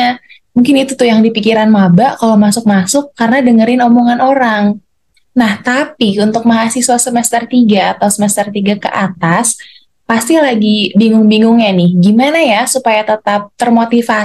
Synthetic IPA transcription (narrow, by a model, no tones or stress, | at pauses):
a | muŋkɪnit̪ut̪ʊjaŋdipikiɾanmabaʔkalomasʊk̚masʊkːarənadəŋəɾɪnomoŋanoɾaŋ | naht̪apiunt̪ʊk̚maɦasiswasəmɛst̪ərt̪iɡaːt̪awsəmɛst̪ərt̪iɡakə̰ʔat̪as | past̪ilaɡibiŋʊŋbiŋʊŋɲanɪhɡimanajasupajat̪ət̪ap̚t̪ərmot̪ifa